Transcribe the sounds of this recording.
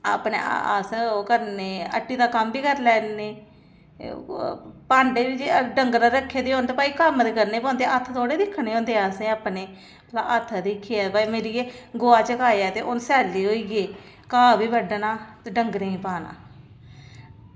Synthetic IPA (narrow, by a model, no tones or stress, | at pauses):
a̰ːpnḛːa̰ːskəɾneːə̰ʈːiːd̪aːkəmbiːkəɾlɛːneː | paːɳɖeːbid͡ʒeːɖəŋɡɾãːɾəkʰːeːd̪eːɦõːnt̪eːpaːiːkəmt̪ːkəɾneːpõːnd̪eːət̪ʰt̪ʰoːɽeːd̪ɪkʰːɽ̃eːɦõːnd̪eːaːsẽːaːpneː | əlaːʔət̪ʰːd̪ɪkʰːeːɛːpaːimeːɾiːeːɡoːaːt͡ʃəkaːeaːt̪eːʔonsɛːliːɦoːiːɡeː | kaːbiːbəɖnaːt̪ːɖəŋɡɾeĩːpaːna̰ː